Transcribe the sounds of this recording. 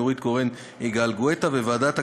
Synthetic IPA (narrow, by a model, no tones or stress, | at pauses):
uʁit̪ɡoʁen | iɡaːlɡwet̪avevaːd̪at̪a